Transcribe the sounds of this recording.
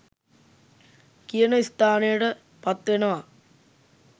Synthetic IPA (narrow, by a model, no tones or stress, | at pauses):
kijɐnɐist̪aːnejɽɐ | pɐt̪ːenɐaː